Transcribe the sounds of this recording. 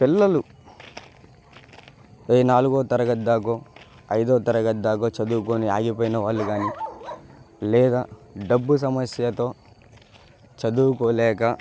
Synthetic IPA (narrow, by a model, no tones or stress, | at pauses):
pilːɐlu | eːnaːluɡoːt̪ɐɾɐɡɐd̪ːaːk̬oː | ɐjd̪oːt̪ɐɾɐɡɐd̪ːaːkoːt͡ʃɐd̪uwukoːniaːɡipoːjinɐʋaːɭːuɡaːni | lɛːd̪aːɖɐbːus̬ɐmɐsjɐt̪o̞ː | t͡ʃɐd̪uwkoːlɛːkɐ